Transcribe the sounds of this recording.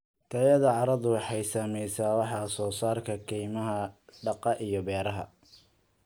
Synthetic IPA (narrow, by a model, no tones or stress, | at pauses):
t̪ʰɐjɐðɐʕɑɾɐðʊwɑħɑjsaːmɛjsaːwɑħɑːsɔːsaːrkʰɐkʰɛjmɐɦɐɖɑqɑʔijɞbɛːɾɐɦɐ̰